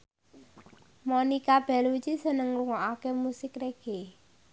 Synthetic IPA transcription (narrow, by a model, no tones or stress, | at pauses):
monikab̥ɛ̤lut͡ʃisənəŋluŋɔʔakemusɪkreɡ̥e